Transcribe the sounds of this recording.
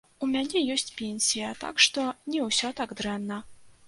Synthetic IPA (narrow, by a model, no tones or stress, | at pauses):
umʲanʲɛjɔsʲt͡sʲpʲenʲsʲijɐt̪a̰kʂt̪ɔnʲɛwsʲɔt̪aɡd̪ɾɛnːɐ